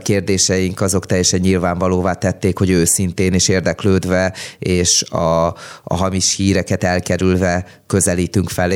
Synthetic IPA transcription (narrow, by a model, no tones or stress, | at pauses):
keːrd̪eːʃɛjiŋkɒzo̞kt̪ɛjɛʃɛɲːilvaːɱvɒloːvaːt̪ɛt̪ːeːkho̞ɟøːsint̪eːniʃeːrd̪ɛkløːd̪vɛeːʃɒ̰ɦɒmiʃhiːɾɛkɛt̪ɛlkɛɾylvɛ | kø̞zɛliːt̪yŋkfɛl